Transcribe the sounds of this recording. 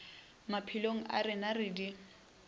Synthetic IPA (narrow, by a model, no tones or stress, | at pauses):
mapʰiloŋ̩ʔa̰rɪnarɪdi